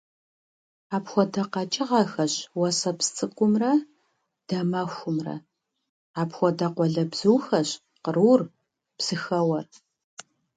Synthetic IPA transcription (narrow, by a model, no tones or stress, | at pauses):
aːpxʷɔdɐqɐt͡ʃʼɪʁɐxɐɕwɐsɐpst͡sʼɨkʷʼʊmrɐ | d̥ɐmɐxʷʊmrɐ̰ | aːpxʷɔdɐqʷɔɮɐbz̥uːxɐɕ | qəruːr | psɨxɐwɐr